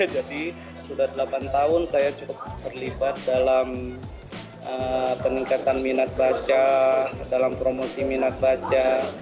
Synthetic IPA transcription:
ad͡ʒadi | sudahdəlapant̪aʊnsajat͡ʃukʊp̪̚ːərlibat̪̚dalam | ʔəpəniŋkat̪anminat̪̚bat͡ʃadalampɾomosiminat̪̚bat͡ʃa

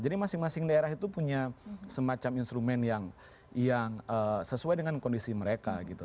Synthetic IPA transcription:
d͡ʒadimasɪŋmasɪŋdaeɾaɦit̪upuɲasəmat͡ʃaminst̪ɾumɛnjaŋ | jaŋəsəsuajdəŋankɔndisiməɾeka̰ɡit̪u

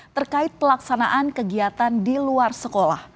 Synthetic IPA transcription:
t̪ərkaɪt̪̚pəlaksanaʔankəɡiat̪andiluarsəkola̰h

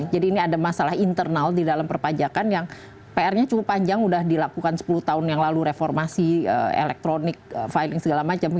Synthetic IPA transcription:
d͡ʒadiːniadamasalahint̪ərnaldidalampərpad͡ʒakanjaŋ | peɛrɲat͡ʃukʊpːaɲd͡ʒaŋudahdilakukansə̥puluht̪aʊnjaŋlaluɾefɔrmasiə̰ḛlɛk̚t̪ɾonɪk̚fajlɪŋsəɡalamat͡ʃam

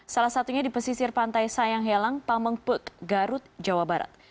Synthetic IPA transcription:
salahsat̪uɲadipəsisɪrpant̪ajsajaŋɦelaŋpaməŋpəkɡaɾʊt̪̚d͡ʒawabaɾa̰t̪̚

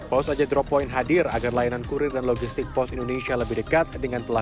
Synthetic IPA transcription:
pɔsad͡ʒadɾɔpɔinɦadɪraɡarlajanankuɾɪrdanloɡist̪ɪk̚pɔsindonesialəbɪhdəkat̪̚dəŋanpəla

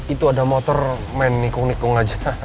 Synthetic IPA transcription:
it̪uadamot̪ɔr | mɛnːikʊŋnikʊŋad͡ʒa

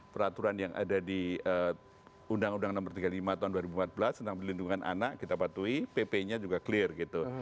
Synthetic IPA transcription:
pəɾat̪uɾanjaŋa̰dadiə | undaŋundaŋnɔmərt̪iɡalimat̪aɦunduaɾibuəmpat̪̚bəlast̪ənt̪aŋpəlinduŋanʔa̰naʔkit̪apat̪uipepeɲad͡ʒuɡakəlɪrɡit̪u

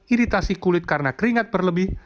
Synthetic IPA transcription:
iɾit̪asikulɪt̪̚kaɾənakəɾiŋat̪̚bərləbɪh

